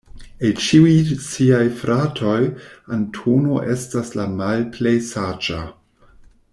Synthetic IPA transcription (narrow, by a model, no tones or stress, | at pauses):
et͡ʃiujsiajfɾʔatʰo̞jantʰono̞ʔe̞staslamalplejsad͡ʒa̰